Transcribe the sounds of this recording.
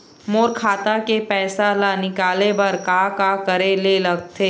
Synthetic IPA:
moːɾkʰaːt̪akepɛːsalanɪkaːlebɐɾkakakɐɾelelɐɡt̪ʰeː

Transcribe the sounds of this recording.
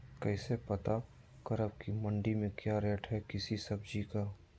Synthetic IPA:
kɛːsepɐt̪a | kəɾəb̚kimɐ̃ɳɖimẽkjaɾɛːʈʰɦɛkɪsisɐbd͡ʒika

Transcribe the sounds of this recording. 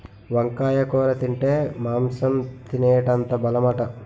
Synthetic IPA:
ʋɐŋkaːjɐkɔːɾɐt̪iɳʈeːmaːmsɐmt̪ineːʈɐnt̪ɐbɐlɐmɐʈɐ

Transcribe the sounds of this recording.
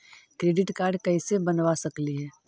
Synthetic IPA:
kɾeːɖɪʈkaːɾɖkɐisebɐnʋasɐkliɦɛː

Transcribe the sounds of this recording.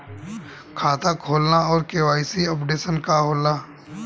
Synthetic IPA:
kʰaːt̪ʰakʰoːlnaɔːɾkeːwaːisiɔpɖeːsənkaɦoːlnaː

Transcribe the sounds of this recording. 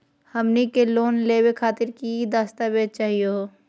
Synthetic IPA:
hɐmnikeloːnleːwekʰaːt̪ɪɾkid̪aːst̪abeːd͡ʒ̚t͡ʃaːɦijo

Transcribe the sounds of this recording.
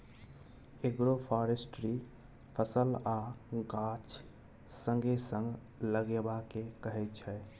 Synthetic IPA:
eɡɾopʰaːɾesʈɾi | pʰəsəlaɡaːt͡ʃ | sə̃ŋɡesə̃ŋɡ | ləɡebakekəɦɛt͡ʃʰɛː

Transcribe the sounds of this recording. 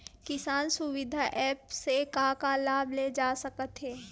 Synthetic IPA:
kɪsaːnsʊʋɪd̪ʱaʔɛːpsekaːkalaːbled͡ʒaːsɐkət̪ɦɛː

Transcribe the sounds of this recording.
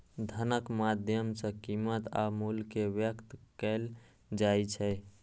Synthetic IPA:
d̪ʱənəkmad̪ʱjəmsə̃kimət̪a̰mulkeʋjəkt̪kɛl | d͡ʒajt͡ʃʰɛ

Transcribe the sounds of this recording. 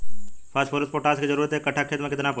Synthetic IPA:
pʰaːspʰoːɾəspoʈaːskizɐɾuːɾət̪ɦɛkɐʈʰːakʰeːt̪ɾmẽkɪt̪nap

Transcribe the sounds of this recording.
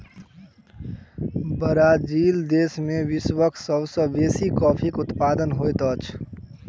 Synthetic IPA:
bəɾaːd͡ʒiːld̪eːsmẽwɪswəkʰsəbsə̃beːsikɔːpʰikʊt̪paːd̪ənɦoet̪ət͡ʃʰ

